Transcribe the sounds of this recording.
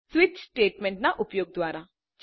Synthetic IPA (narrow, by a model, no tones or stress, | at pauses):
swɪt͡ʃsʈeːʈmɛ̃ɳʈnaʔʊpjoːɡ̚d̪waːɾa | d͡ʒ